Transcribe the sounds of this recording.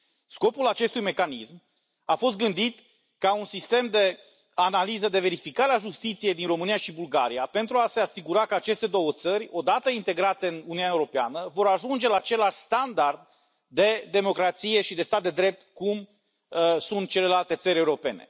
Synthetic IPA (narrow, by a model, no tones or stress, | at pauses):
sko̞pulat͡ʃe̞st̪ujme̞kanism | afo̞st̪ɡɨnd̪it̪ | kaunsist̪e̞md̪e̞ | analizəd̪e̞ve̞ɾifikaɾeaʒust̪it̪sije̞jd̪inro̞mɨnijaʃibulɡaɾijape̞nt̪ɾuase̞asiɡuɾakəat͡ʃe̞st̪e̞d̪o̞wət̪səɾʲo̞d̪at̪əint̪e̞ɡɾat̪e̞ɨnuniunaeuɾo̞peanəvo̞ɾaʒund͡ʒe̞laːt͡ʃe̞laʃst̪and̪ard̪̚ː | e̞d̪e̞mo̞kɾat̪sije̞ʃid̪e̞st̪at̪̚d̪e̞d̪ɾe̞p̚t̪kum | sunt̪̚t͡ʃe̞le̞lalt̪e̞t̪səɾʲeuɾo̞pe̞ne̞̰